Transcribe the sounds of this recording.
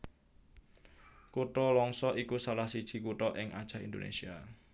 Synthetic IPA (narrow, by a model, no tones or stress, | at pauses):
kuʈɔlɔŋsɔʔikusalahsid̥ʒ̥i̤kuʈɔʔɪŋa̰d̥ʒ̥a̤hind̪onḛsia